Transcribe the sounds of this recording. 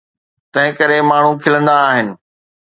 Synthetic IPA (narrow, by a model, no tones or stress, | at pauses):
t̪ɐ̃ɦɪ̃kɐɾemaːɳ̤ũkʰɪlə̃nd̪aːɦɪnɪ̆